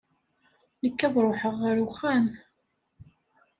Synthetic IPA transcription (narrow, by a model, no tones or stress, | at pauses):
nəkːæðˤɾˤoħəʁːaɾuxæn